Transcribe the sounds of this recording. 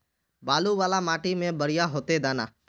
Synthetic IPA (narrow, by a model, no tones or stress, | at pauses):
baːluʋaːlamaːʈimẽbəɾɪjaɦoːt̪ed̪aːna̰ː